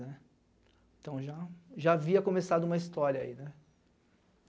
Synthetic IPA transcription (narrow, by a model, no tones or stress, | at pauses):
nɛ | ẽt̪ɐ̃w̃ʒaʒaːviɐkõmesad̪ʊũmɐist̪ɔɾjɐa̰inɛ